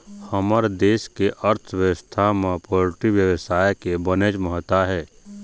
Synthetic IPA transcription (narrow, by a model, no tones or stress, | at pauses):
həməɾd̪eːskeʔəɾt̪ʰʋjəʋəst̪ʰamẽpoːɾʈiʋjəwəsaːjkebəned͡ʒməɦt̪aɦɛː